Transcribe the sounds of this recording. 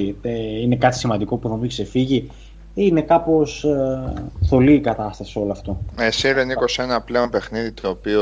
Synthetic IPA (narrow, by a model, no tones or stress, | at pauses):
eine̞kɐt̪i̥simɐnd̪iko̞puθomikse̞fiʝi | ine̞kɐpo̞s | θo̞liːkɐt̪ɐst̪ɐsio̞lɐft̪o̞esiɾeniko̞senɐple̞o̞npe̞xniðit̪oːpio